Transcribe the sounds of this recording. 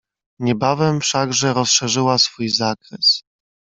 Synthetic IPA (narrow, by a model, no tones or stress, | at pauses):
ɲɛbavɛmfʂaɡʐɛɾɔsʂɛʐɘwasfujzakɾɛs